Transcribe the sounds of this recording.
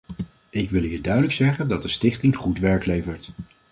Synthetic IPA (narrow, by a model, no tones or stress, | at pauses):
ɪkʋɪlˠɦiːɹdœɥdələksɛχəndɑt̚dəstɪχtɪŋχutʋɛɹklejvəɹt